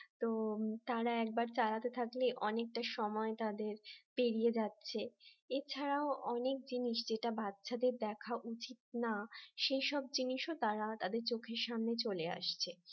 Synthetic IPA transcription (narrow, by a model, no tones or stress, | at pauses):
t̪ot̪aɾaɛk̚baɾt͡ɕalat̪et̪ʰakleʔɔnek̚ʈaʃɔmɔet̪ad̪eɾpeɾijed͡ʑatːɕʰeet͡ɕʰaɾaoʔɔnek̚d͡ʑiniʃd͡ʑeʈabatːɕʰad̪eɾd̪ɛkʰaʔut͡ɕit̪̚naʃejʃɔb̚d͡ʑiniʃot̪aɾat̪ad̪eɾt͡ɕokʰeɾʃamnet͡ɕolea̰ʃt͡ɕʰe